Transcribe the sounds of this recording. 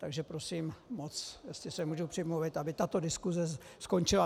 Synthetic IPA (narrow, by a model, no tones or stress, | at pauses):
t̪aɡʒɛpɾo̞siːmmot͡sjɛst̪lɪsɛmuːʒupr̥ɪmluvɪt̪ʔabɪt̪at̪o̞dɪskuzɛsko̞nt͡ʃɪla